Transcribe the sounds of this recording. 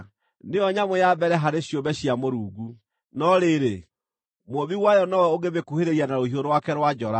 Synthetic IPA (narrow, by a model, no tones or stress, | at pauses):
neɔɲamojabɛɾɛɦaɾeɕiobɛɕijamoɾuːɡu | nɔɾeɾe | moβiwajɔnɔwɛoɡeβekuheɾeɾianaɾohioɾowakɛɾwad͡ʒɔɾa